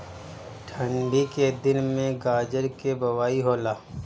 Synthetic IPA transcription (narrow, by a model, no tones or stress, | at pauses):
ʈʰə̃ɳɖiked̪ɪnmẽɡaːd͡ʒəɾkebɐwaːiɦoːlaː